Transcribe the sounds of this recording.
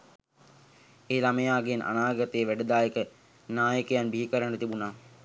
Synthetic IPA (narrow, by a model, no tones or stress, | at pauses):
eːlaməjaːɡenʔa̰naːɡat̪eːʋæɖəd̪aːjəkə | naːjəkəjanbiɦikəɾanət̪ibunaː